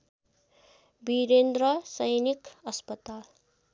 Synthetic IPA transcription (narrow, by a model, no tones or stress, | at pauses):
biɾend̪ɾʌsʌjnikʌspʌt̪al